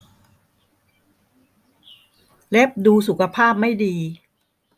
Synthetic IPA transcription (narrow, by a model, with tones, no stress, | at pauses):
le˦˥p̚duː˧s̬u˨˩kʰa˧pʰaː˥˩p̚ma˥˩jdiː˧